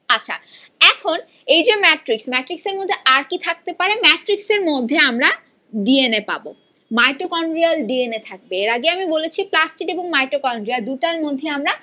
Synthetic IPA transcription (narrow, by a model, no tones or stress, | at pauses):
atːɕʰa̰ | ɛkʰon | ejd͡ʑemɛʈɾiksmɛʈɾikseɾmod̪ʱːeʔaɾkit̪ʰak̚t̪epaɾemɛʈɾikseɾmod̪ʱːeamɾa | ɖienepa̰bo | majʈokɔɳɖɾialɖienet̪ʰak̚beeɾaɡeamibolet͡ɕʰiplasʈiʈeboŋmajʈɾokɔɳɖɾiald̪uʈaɾmod̪ʱːeamɾa